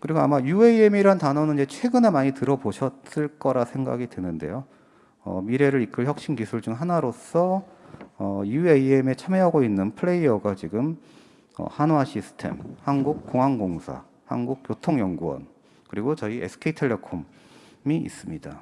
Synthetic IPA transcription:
kɯɾiɡoamajueiemiɾantanʌnɯnid͡ʑe̞t͡ɕʰwe̞ɡɯne̞maɲitɯɾʌboɕʰʌt̚s͈ɯɭk͈ʌɾasʰe̞ŋɡa̰ɡidwe̞nɯnde̞̰jo | ʌ̰miɾe̞ɾɯɾik͈ɯɭçjʌk̚ɕ͈inkisʰuɭd͡ʑuŋɦanaɾos͈ʰʌː | jueieme̞t͡ɕʰameɦaɡoinːɯnpʰɯɭe̞iʌɡat͡ɕiɡɯm | ʌ̰hanoaɕʰisʰɯ̥tʰe̞̰mhanɡuk̚k͈oŋɦanɡoŋsʰa̰ | ha̰nɡuk̚k͈jotʰoŋjʌŋɡuʌ̰n | kɯɾiɡot͡ɕʌiʔesʰɯ̥kʰeitʰeɭːʌkʰom | miḭs͈ɯmɲida

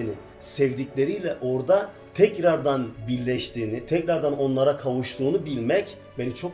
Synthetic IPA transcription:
ni | sɛvd̪iclʲe̞ɾijlʲɛʔo̞ɾd̪a | t̪ʰɛcɾaɾd̪anbiɾlʲːɛʃt̪ʰiːnit̪ʰɛcɾaɾd̪ano̞nlˠaɾakʰavuʃt̪uːnubilʲmɛc | benit͡ʃʰo̞k

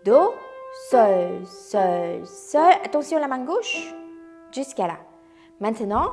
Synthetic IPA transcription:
d̪osœlsœlsœlat̪ɑ̃sjɔ̃lamɛ̃ɡoʃ | ʒyskala̰ | mɛ̃t̪nɑ̃

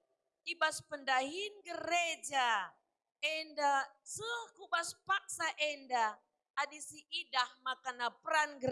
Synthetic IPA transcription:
iɓaspəndaɦinɡəɾed͡ʒa | ɛndat͡sɨkubaspak̚saʔɛndaː | ɗisiʔidahmakanapranɡɾ

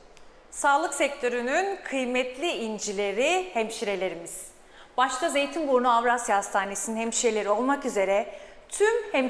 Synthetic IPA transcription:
saːlˠɯksɛc̚t̪ʰø̞ɾynynkʰɯjmɛt̪ʰlʲiind͡ʒilʲe̞ɾihɛmʃiɾe̞lʲe̞ɾimiz̥ | baʃt̪ʰaze̞jt̪ʰimɡoɾnuavɾasjaast̪ʰaːne̞sininhɛmʃiɾe̞lʲe̞ɾio̞lˠmakyze̞ɾɛt̪ʰymhɛm

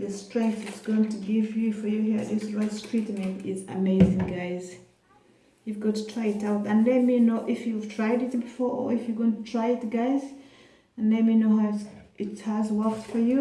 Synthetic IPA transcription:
ðɨstɹ̥ɛ̃ŋk̚θɨtsɡ̥oʊɪ̃ŋtʰɨɡɪvjɨfə˞jɨhiɹɨ̰t̪̚ðɪsɹaɪtstɹ̥itmĩɪzə̰meɪzɪ̃ŋɡaɪz | jɨvɡɑtʰːətʰɹ̥aɪɨtaʊtə̃nlɛt̚minoʊʔɪfjɨv̥tʰɹ̥aɪɾɪtbɨfɔɹə̰˞ɪfjɨɡõntʰətʰɹ̥aɪɪtɡaɪz | ə̃nlɛt̚minoʊɦaʊɪthəzwɜktfə˞jɨ

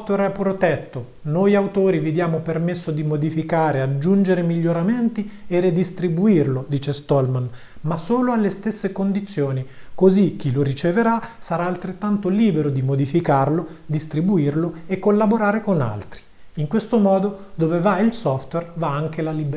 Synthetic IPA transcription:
t̪wɛɾɛpːɾot̪ɛt̪ːo | nojawt̪oːɾivid̪jaːmopermesːod̪imod̪ifikaːɾead͡ʒːund͡ʒeɾemiʎːoɾament̪iered̪ist̪ɾibuirlod̪iːt͡ʃest̪ɔlman | masoːloalːest̪esːekond̪it̪sːjoːnikozik̟ːiloɾit͡ʃeveɾasaɾaːlt̪ɾet̪ːant̪oliːbeɾod̪imod̪ifikarlo | d̪ist̪ɾibuirloekːolːaboɾaːɾekona̰lt̪ɾi | iŋkwest̪omɔːd̪od̪oːvevailsɔft̪wɛrvaaŋkelalib

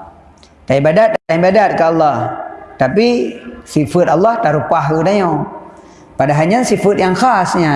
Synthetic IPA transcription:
t̪aibadat̪̚atajbadat̪̚kalːat̪apisifɯt̪ʔɑlːɑht̪aɾupaɦɯdaja | padaɦajɲənsifɯt̪̚jaŋxaːsiɲa

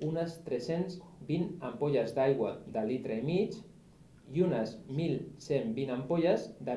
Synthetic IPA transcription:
unəst̪ɾesenzbinɐmpoʎazd̪ajɣwad̪əlit̪ɾəimit͡ʃ | iunəzmilˠsembinampoʎazd̪a

